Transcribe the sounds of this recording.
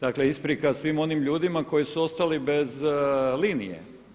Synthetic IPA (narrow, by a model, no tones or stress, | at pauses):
d̪̥akleispɾikasʋimo̞nimʎuːd̪imako̞jisuo̞st̪alibe̞zliːnijḛ